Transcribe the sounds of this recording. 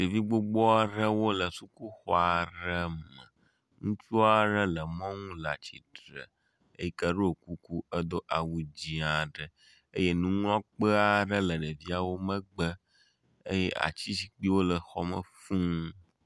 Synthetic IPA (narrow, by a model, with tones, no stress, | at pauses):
ɖe˨vi˦ɡ͡bo˦ɡ͡bɔ˦a˦ɖə˦wo˦lə˨su˦ku˦xɔ˦a˨ɾə˦mə˨ | ŋũ˦t͡ʃu˦a˦ɖə˦lə˨mɔ̃˦ŋũ˦la̰˨t͡ɕi˨ɖɾə̰˨ | ḛ˦ji˦kə˦ɖo˦o˨ku˦ku˦ə˦d̪o˦ʔa˨wu˨d͡ʑĩ˨a˨ɖə˨ | ə˦je˦nũ˦ŋ˦ɔ̃˦k͡pə˦a˦ɖə˦lə˨ɖə˨vi˦a˨wo˦mə̃˦ɡ͡bə˦ | ə̰˦je˦ʔa̰˨t͡ɕi˦si˦k͡pi˦wo˦lə˨xɔ˨mə̰̃˨fũ˦